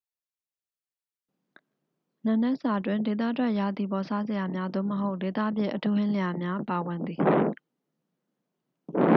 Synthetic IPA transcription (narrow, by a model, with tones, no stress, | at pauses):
nã˨nɛ˦ʔsa˨ʔtwɪ̃˨nde˨t̪̬ä̰˦˨tʰwɛ˦ʔja˨d̪i˨bɔ˨sa˦zɪ˨ja˨mja˦d̪o̰˦˨məɦo˦ʊʔde˨t̪ä̰˦˨bjɪ̰̃˦ʔətʰu˦hɪ̃˦leja˨mja˦pa˨wɪ̃˨nd̪i˨